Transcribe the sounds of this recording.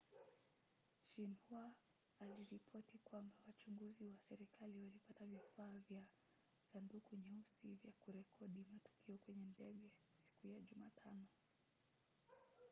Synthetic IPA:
ʃinhua | aliɾipʰɔtikwambawat͡ʃuŋɡuziwasɛɾikʰaliwalipatavifaːvja | sandukuɲɛusivjakuɾɛkʰɔɗimatu̥kiɔkwɛɲɛndɛɠɛ | si̥kujaʄumaːtʰanɔ

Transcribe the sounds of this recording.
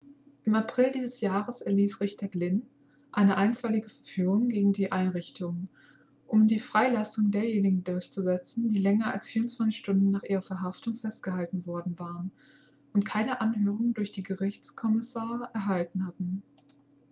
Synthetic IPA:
ʔɪmapʁ̥ɪldiːzəsjaːʁəsɛɐliːsʁɪçtʰɐɡlɪn | ʔaɪnəʔaɪnt͡sv̥aɪlɪɡəfɛɐfyːʁʊŋɡeːɡŋ̩diːʔaɪnʁɪçtʰʊŋ | ʔʊmdiːfʁ̥aɪlasʊŋdeːɐjeːnɪɡŋ̩dʊɐçt͡suzɛt͡sn̩d̥iːlɛŋɐa̰lsfiːɐʊnt͡sv̥ant͡sɪçʃtʊndn̩nːaːχʔiːʁɐfɛɐɦaftʊŋfɛstɡ̥əhaltn̩vɔɐdn̩vaːʁən | ʔʊntkʰaɪnəʔanɦøːʁ̞ʊŋdʊɐçd̥iːɡəʁɪçt͡skʰɔmɪsaːɐʁəʔɛɐɦaltn̩hatn̩

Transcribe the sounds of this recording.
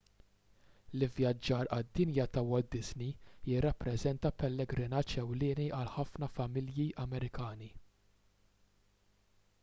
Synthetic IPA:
lɪvjɐd͡ʒːɐːɾɐd̪ːɪnjɐt̪ɐwɔld̪ɪznijɪrːɐpːɾɛzɛnt̪ɐpɛlːɛɡɾɪnɐt͡ʃɛwlɪːniʔɐlħɐfnɐfɐmɪljiʔɐmɛɾɪkɐːni

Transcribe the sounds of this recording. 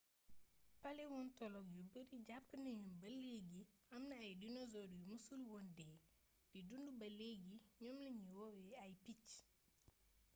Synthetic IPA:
pɐlɛwɔntɔlɔk̚jubəɾiɟap̚kənɐɲunbɐleɡiɐmnɐɐjdinɔzɔdujumusulwɔndɛː | d̥idundubɐleɡiɲɔmlɐɲiwɔwɛɐjpic

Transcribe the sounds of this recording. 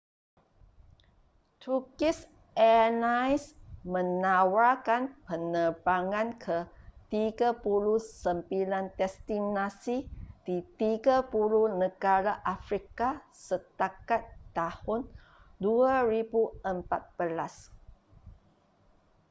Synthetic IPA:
t̪ʰukis | ɛnajsmə̃nawakanpənərbaŋãnkʰət̪iɡapuluhsəmpilant̪ɛst̪inasid̥it̪iɡapulunə̃ɡaɾaʔafɾikasət̪akat̪ːahʊn | duaɾibuəmpat̪̚b̥əlas

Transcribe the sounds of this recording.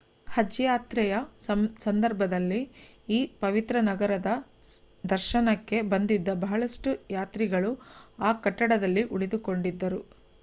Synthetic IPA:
hɐd͡ʒjaːt̪ɾɛjɐsɐnd̪ɐɾbʱɐd̪ɐlːiiːpɐʋit̪ɾɐnɐɡɐɾɐd̪ɐ | d̪ɐɾʃɐnɐkːe̞bɐnd̪id̪ːɐbɐɦɐɭɐʂʈujaːt̪ɾiɡɐɭuaːkɐʈːɐɽɐd̪ɐlːiʔuɭid̪uko̞ɳɖid̪ːɐɾu

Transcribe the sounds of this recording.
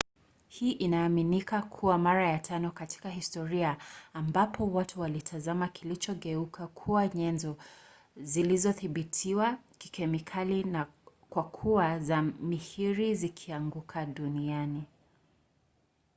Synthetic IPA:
hiːʔinaːminikakʰuwamaɾajatʰanɔkati̥kaɦistɔɾiaːmbapʰɔwatuwalitʰazamakʰilit͡ʃɔɠɛukʰakʰuaɲɛnzɔ | zilizɔθiɓitʰiwaki̥kɛmikʰalina | kwakʰuazamihiɾizikʰiaŋɡukʰaɗuniani

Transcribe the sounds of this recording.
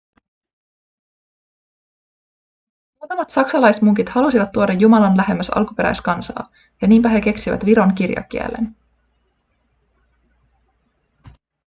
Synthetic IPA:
ot̪ɑmɑt̪sɑksɑlɑjsmuŋkit̪hɑlusiʋɑt̪ːuodɑjːumɑlɑnlæhe̞mːæsɑ̰lkupe̞ɾæ̰jskɑnsɑ̰ː | jɑniːmpæɦe̞ke̞ksiʋæ̰t̪ʋiɾo̞ŋkirjɑ̰k̟iæ̰lːḛn

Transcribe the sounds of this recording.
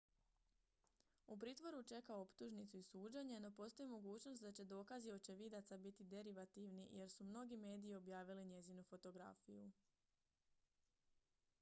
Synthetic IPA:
up̬ɾiːt̪ʋo̞ɾut͡ʃe̞kao̞pt̪uʒnit̪suisuːd͡ʑeɲe̞no̞po̞st̪o̞imo̞ɡuːt͡ɕno̞st̪d̪at͡ɕe̞d̪o̞ːkazio̞t͡ɕe̞ʋid̪at̪sabit̪id̪e̞ɾiʋat̪iʋnije̞ɾsumno̞ɡime̞ːd̪iːo̞bjaːʋiliɲe̞zinufo̞t̪o̞ɡɾa̰fiju

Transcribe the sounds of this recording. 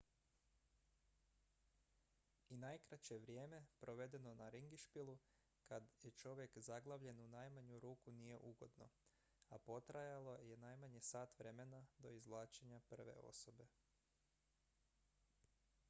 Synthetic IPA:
inajkɾat͡ɕeʋɾʲje̞ːme̞pɾo̞ʋe̞d̪e̞no̞naɾiŋɡiʃpilˠu | kad̪je̞t͡ʃo̞ʋjekzaɡlˠaʋʎe̞nunajmaɲuɾuːkunije̞ʔuɡo̞d̪no̞̰ | a̰po̞t̪ɾajalˠo̞jenajmaɲe̞saːt̪ʋɾe̞menad̪o̞izʋlˠaːt͡ʃeɲapr̩ʋe̞̰o̞̰so̞be̞

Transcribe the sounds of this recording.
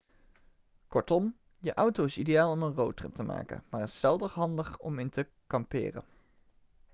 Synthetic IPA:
kɔɹtɔm | jəʔʌwtowɪsidejaːlˠɔmənrowtrɪp̚təmʔa̰ːkə̰nmaːrɪsɛlˠdəχɦɑndəχɔ̰mɪntə | kɑmpɪ̰ːrə̰n

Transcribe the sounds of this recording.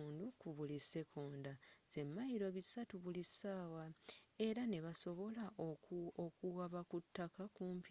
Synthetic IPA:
ndukuβulise̞kʰo̞ːndaze̞mːajiɾo̞βisatuβulisaːwae̞ɾane̞βaso̞βo̞la | okuɣaβakutːakakuːmpi

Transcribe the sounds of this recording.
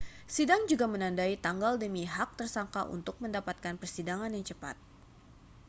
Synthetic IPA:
sidaŋd͡ʒuɡamənandait̪aŋɡaldəmiɦak̚t̪ərsaŋkaʔṵnt̪ʊk̚məndapat̪̚kanpərsidaŋanjaŋt͡ʃəpa̰t̪̚

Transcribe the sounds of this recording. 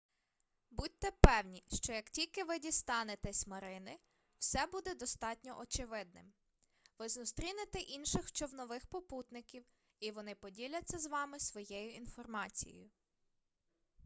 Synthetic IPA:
but̚ʲt̪ɛpɛwnʲiʃt͡ʃɔjɐktʲilʲkɪʋɪdʲist̪ɑnet̪ɛsʲmɐɾɪnɪ | wsɛbud̪ɛd̪ɔst̪ɑtʲnʲɔ̰ʔɔt͡ʃɪʋɪd̪̚nɪ̰m | ʋɪzʊst̪ɾʲinet̪ɛʔinʃɪxt͡ʃɔwnɔʋɪxpɔput̪nɪkʲiw | iʋɔnɪpɔdʲilʲɐt͡sʲːɐzʋɑmɪsʋɔjɛjʊinfɔrmɑt͡sʲij̰jʊ

